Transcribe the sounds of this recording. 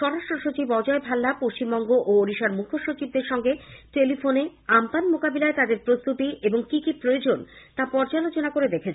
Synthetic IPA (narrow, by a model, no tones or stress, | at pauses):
ʃɔɾaʃʈɾoʃot͡ɕibɔd͡ʑɔebʱalːapoʃt͡ɕimːɔŋɡoʔooɾiʃaɾmukʰoʃot͡ɕib̚d̪eɾʃɔŋɡeʈelifoneampanmokabilaet̪ad̪eɾpɾost̪ut̪ieboŋkikipɾojod͡ʑont̪apɔɾd͡ʑalot͡ɕonakoɾed̪ekʰet͡ɕʰ